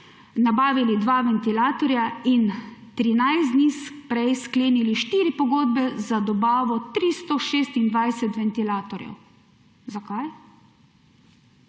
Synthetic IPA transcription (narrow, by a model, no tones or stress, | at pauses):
nabaːʋilid̪ʋaʋɛnt̪ilaːt̪ɔɾjaint̪ɾinajzd̪nispɾɛjskleːniliʃt̪iːɾipɔɡoːd̪bɛzad̪ɔbaːʋɔt̪ɾist̪ɔʃeːst̪ind̪ʋajsɛt̪ʋɛnt̪ilaːt̪ɔɾjɛ̰w | zakaj